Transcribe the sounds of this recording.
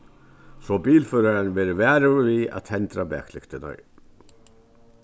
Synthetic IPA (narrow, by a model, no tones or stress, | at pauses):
sɔbiːlfœːɾaɾanvɛːɾɪvɛːɾɪvia̰t̪hɛnt̪ɾabɛ̰ːklɪkt̪ɪna̰ɹ